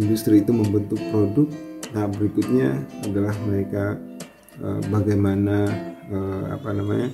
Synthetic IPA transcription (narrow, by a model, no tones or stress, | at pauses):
indust̪ɾiːt̪uməmbənt̪ʊk̚pɾodʊt̪̚nabəɾikʊt̪̚ɲaadalahməɾeka | ə̰baɡajmanaəa̰panamaɲa